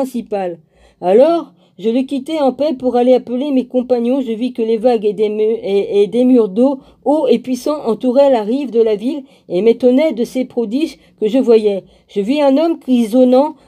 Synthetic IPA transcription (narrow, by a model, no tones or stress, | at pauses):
ɛ̃sipal | alɔʁ | ʒələkʲit̪ɛɑ̃pɛpuʁaleapəlemekɔ̃paɲjɔ̃ʒəvikəlevaɡed̪ed̪emyʁd̪o | oepɥisɑ̃ʔɑ̃t̪uʁɛlaʁivd̪əlavil | emet̪ɔnɛd̪əsepχɔd̪iʒ | kəʒəvwajɛ | ʒ̥əviɛ̃nɔmkχizɔnɑ̃